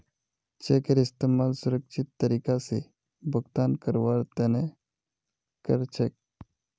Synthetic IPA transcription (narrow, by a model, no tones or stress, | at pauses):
t͡ʃekəɾɪst̪eːmaːlsʊɾəkʃɪt̪ːəɾiːkase | bəɡt̪aːnkəɾʋaːɾt̪əne | kəɾt͡ʃʰək̚